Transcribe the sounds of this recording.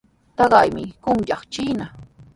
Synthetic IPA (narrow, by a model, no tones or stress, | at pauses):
t̪ɑɢɑjmɪkʊŋʎɑχt͡ʃiːna